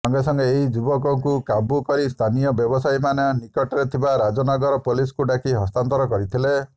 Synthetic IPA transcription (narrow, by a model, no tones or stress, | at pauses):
ɔŋɡesɔŋɡeːɦid͡ʒubɔkɔŋkukabukɔɾist̪ʰanijɔbjɔbɔsajmaneɔnikɔʈɔɾet̪ʰibaɾad͡ʒɔnɔɡɔɾɔpoliskuɖakiɦɔst̪ant̪ɔɾɔkɔɾit̪ʰile